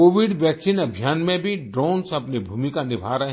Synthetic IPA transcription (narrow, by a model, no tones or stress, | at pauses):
oːʋɪɖʋjɛːksinɐbʱjaːnmẽbʱiɖɾoːnsɐpnibʱuːmikanɪbʱaːɾəɦ